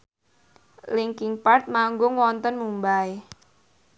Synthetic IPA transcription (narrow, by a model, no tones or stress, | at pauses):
liŋkɪŋpart̪̚maŋɡʊŋwɔnt̪ənmumbaj